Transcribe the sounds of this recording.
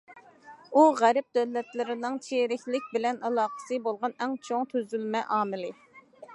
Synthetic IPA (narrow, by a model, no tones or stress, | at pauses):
uʁæɾɪp̚d̪̥øwlːɛt̪lɪɾɪnɨŋt͡ʃʰeɾɪkʲlɪk̚ʲbɪlɛnɑlˠɑːqə̥sɨbolˠʁɑnɛŋt͡ʃʰoŋt̪ʰøzylmɛʔɑːmɨlɪ